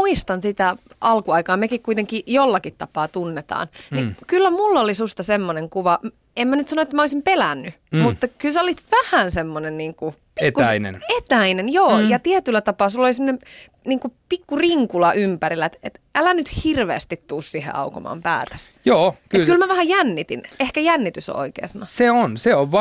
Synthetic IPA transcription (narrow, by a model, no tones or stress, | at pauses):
muist̪ɑnsit̪æ | ʔɑlkuɑikɑːmekikkuit̪eŋkijolːɑkit̪tɑpɑːt̪unːet̪ɑ̰ːnnikylːæmulːolisust̪ɑsemːoneŋkuʋɑ | emmænyt̪sɑnoet̪ːmæoisimpelænːy | mut̪ːɑkylseolit̪ʋæhænsemːonenniːŋkupetkːuæinḛnet̪æinenjoːjɑt̪iet̪ylːæt̪ɑpɑːsulːolisemːonem | niːŋkupikːuriŋkulɑʔympærilːæet̪et̪ælænyt̪hirʋḛːst̪it̪t̪uːssihḛʔɑ̰uko̰mɑ̰ːmpæ̰ːt̪æ̥sjoːkuykylmæʋæhæjænːit̪inehkæjænːit̪yso̰ikḛːsɑnɑseonseoʋʋ